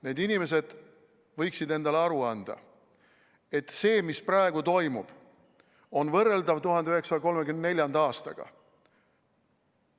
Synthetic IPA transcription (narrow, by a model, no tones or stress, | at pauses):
ne̞ːd̪inime̞s̬e̞d̪̥ | vɤjksid̪e̞nd̪̥ɑleɑɾuɑnd̪̥ɑ̰ | e̞t̪ːse̞ːmisprɑe̞ɡ̥ut̪o̞jmṵb̥ | o̞nvɤrːe̞ld̪ɑvt̪uɦɑnd̪eyhɦe̞ksɑɑko̞lme̞kymnene̞lʲjɑnd̪ɑːst̪ɑ̰ɡ̥ɑ̰